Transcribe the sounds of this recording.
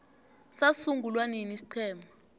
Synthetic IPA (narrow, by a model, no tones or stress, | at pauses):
sasuŋɡʱulwaninisi̥ǀʰɛːmʱa